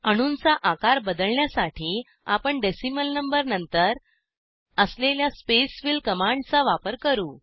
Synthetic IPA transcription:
əɽ̃uːnt͡saʔakaɾbəd̪əlɳjasaʈʰiː | apəɳɖesiməlnəmbəɾnənt̪əɾ | əsleljaspesʋilkəmaɳɖt͡saʋapəɾkəɾuː

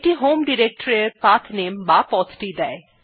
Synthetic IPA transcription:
ʈiɦomɖiɾek̚ʈəɾeɾpat̪ʰnembapɔt̪ʰʈid̪ɛe

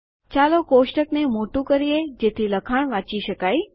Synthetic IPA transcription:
t͡ʃalokoʃʈəknemoʈũkəɾied͡ʒet̪ʰiləkʰaɳ̃ʋãt͡ʃiʃəkaj

